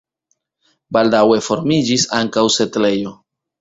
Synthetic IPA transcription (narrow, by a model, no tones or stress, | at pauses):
baldawe̞fo̞ɾmid͡ʒisaŋkawse̞tle̞jo̞